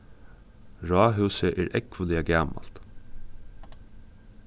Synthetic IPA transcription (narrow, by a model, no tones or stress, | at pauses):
ɹɑːɦʉsəʔeːɹʔɛkʋʊlɪɛɡæːmɑ̰l̥t̪